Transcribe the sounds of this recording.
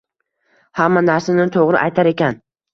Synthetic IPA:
hamːanaɾsanɪt̪ʰoʁɾɪʔajt̪ʰaɾe̞kʲan

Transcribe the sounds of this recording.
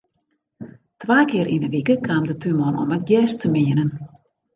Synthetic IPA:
tʋaːkɪəɾʔinəʋikəkʰaːmdətymɔnɔ̰mɛt̚ɡjɛːstʰəmɪənən

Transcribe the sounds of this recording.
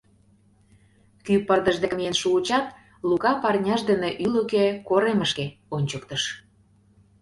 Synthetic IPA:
kypərd̪əʒd̪ekmjenʃuːt͡ɕɑt̪̚ | lukɑpɑrnʲɑʒd̪əneʔylokekoɾeməʃkeonʲt͡ɕəkt̪əʃ

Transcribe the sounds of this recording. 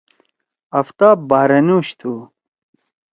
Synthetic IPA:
ɐft̪aːbaːɾɐnuɕt̪ʰu

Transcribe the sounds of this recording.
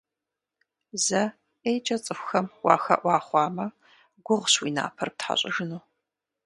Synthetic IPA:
zɐ | ejt͡ʃʼɐt͡sʼɨxʷxɐmwɑ̰ːxɐ̰ʔʷɑːχʷɑːmɐ | ɡʷʊʁʷɕwiːna̰ːpʰɐrp̚tħa̰ɕʼɪʒɨnuː

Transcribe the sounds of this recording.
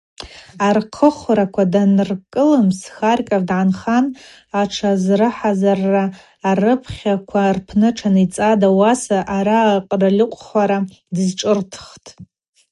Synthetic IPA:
arqʰəχʷrakʷʰadanrkʼɨlɨmsxarkʲʼardʕanχan | aʈ͡ʂʰazrɨħazarːaː | rɨpʰχʲakʷʰarpʰnɨʈ͡ʂʰanit͡sʼadawasaʔaɾaqʼralʲɪqʷʼχʷaɾa | dɨzʈ͡ʂʼɨrtʰχtʼ

